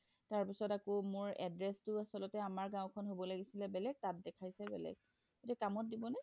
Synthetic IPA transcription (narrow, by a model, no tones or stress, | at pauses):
taɹpisɔtakomʊɹɛ̰dɹɛstʊasɔlɔtɛamaɹɡãw̃kʰɔnɦobɔlaɡisilɛbɛlɛɡ̚tat̚dɛkʰajsɛbɛ̰lɛ̰ɡ | otɛkamɔt̚dibɔnɛ